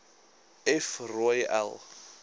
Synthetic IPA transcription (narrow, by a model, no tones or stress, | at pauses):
ɛfrɔjɛ̰l